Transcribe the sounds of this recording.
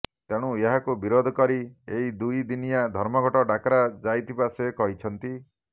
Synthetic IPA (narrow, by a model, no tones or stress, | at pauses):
t̪eɽ̃ueɦakubiɾod̪ʱɔkɔɾieɦid̪ujd̪inijad̪ʱɔɾmɔɡʱɔʈɔɖakɾad͡ʒajt̪ʰibasekɔɦit͡ʃʰɔnt̪i